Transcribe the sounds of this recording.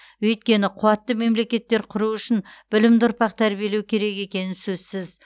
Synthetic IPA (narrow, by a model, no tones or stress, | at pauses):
wɵjt̪̚kʲe̞nɪqʰʊwɑt̪ːəme̞mle̞kʲe̞t̪ːe̞ɾqʰʊɾuʏʃɪnb̥ɪlɪmd̪ʊɾpɑq̚t̪ʰæɾbije̞le̞wkʲʰe̞ɾe̞ke̞kʲe̞nɪnsɵzsɪz